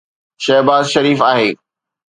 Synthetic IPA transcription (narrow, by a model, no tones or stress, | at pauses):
ʃɛɦbaːzʃɐɾiːfaːɦeː